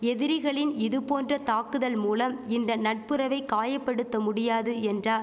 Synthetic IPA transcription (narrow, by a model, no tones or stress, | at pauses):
ɛðɪɾɪɣɐɭɪnɪðɯpoːndrɐt̪aːkɯðɐlmuːlɐmɪnd̪ɐnɐʈ̚pɯɾɐʋɐɪkːaːjɐpːɐɽɯt̪ːɐmʊɽɪjaːðɯɛndraː